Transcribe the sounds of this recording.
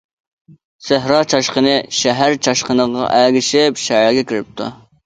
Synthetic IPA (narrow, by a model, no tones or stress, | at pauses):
sæɦɾɑːt͡ʃʰɑʃqənɨʃɛɦæɾt͡ʃʰɑʃqənəʁɑ̰ʔæɡʲɪʃɪpʃɛɦɑːɡʲɛkʲʰiɾɪp̚t̪ʰṵ